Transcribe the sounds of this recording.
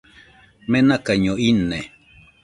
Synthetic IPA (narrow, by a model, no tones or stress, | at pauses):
menakaɲoinːe